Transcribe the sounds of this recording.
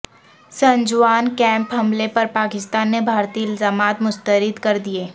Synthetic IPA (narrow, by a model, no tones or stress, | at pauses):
sɐ̃ɲd͡ʒwaːnkɛ̃ːmpɦɐmlepɐɾpaːkɪst̪aːnːebʱaːɾt̪iːɪlzaːmaːt̪mʊst̪əɾɪd̪kɐɾd̪ieː